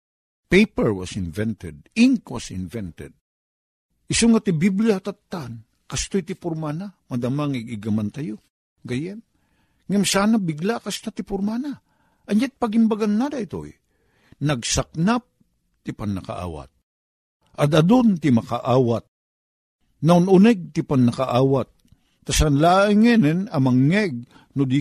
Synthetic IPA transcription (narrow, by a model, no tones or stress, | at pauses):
pejpɛɹwa̰sɪnvɛnt̪ɛd̪̚ɪŋkwasɪ̰nvɛnt̪ɛ̰d̪̚ | ɪsoŋat̪ɪbibliat̪at̪ːan | kast̪ojt̪ɪpʊɾmanamad̪amaŋɪɡɪɡamant̪ajo | ɡajɛn | ŋamsaːnabɪɡlakast̪at̪ɪpʊɾmana | ʔɐnjat̪̚paɡɪmbaɡanːad̪ait̪o̰j | nɐɡsak̚nap̚ | t̪ɪpanːaka̰ʔa̰ːwa̰t̪̚ | ʔɐd̪ɐd̪ont̪ɪmakaʔaːwat̪̚ | naʊnʊnɛɡ̚t̪ɪpanːɐkaʔaːwat̪̚ː | asanlaːɪŋɛnɛnɐmaŋːɛɡ̚ | nʊd̪i